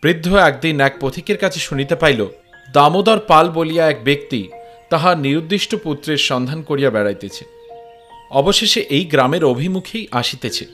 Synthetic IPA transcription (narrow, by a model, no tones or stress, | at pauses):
b̥ɾid̪ʱːoɛk̚d̪inɛk̚pot̪ʰikeɾkat͡ɕʰeʃunit̪epajlo | d̪amod̪ɔɾpalbolijaɛk̚bek̚t̪it̪aɦaɾniɾud̪ːiʃʈoput̪ːɾeɾʃɔnd̪ʱankoɾijabɛɽajt̪et͡ɕʰe | ɔboʃeʃeʔejɡɾameɾobʱimukʰejʔaʃit̪et͡ɕʰe